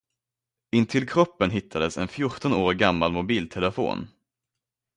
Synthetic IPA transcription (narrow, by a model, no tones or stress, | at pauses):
ɪnt̪ʰɪlkʰɾɔpːənɦɪt̪ʰːad̪əsɛnfjʊʈɔnoːɾɡamːalmʊbiːlt̪ʰɛləfo̰ːn